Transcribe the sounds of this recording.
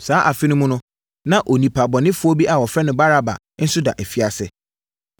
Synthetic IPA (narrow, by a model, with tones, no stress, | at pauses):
saː˦ʔa˨fɪ˦nʊ̃˦mʊ̃˦nʊ̃˦ | nã˦˨ʔo˨nĩ˨pʰa˨bɔ˨nɪ̃˦fʊ˦ɔ˦bi˦ʔa˨wɔ˨fɾɛ˦nʊ̃˨ba˦ɾa˦ba̰˨ | n̩˦sʊ˦da̰˨ʔæ˨fi˨a˨sɪ̰˦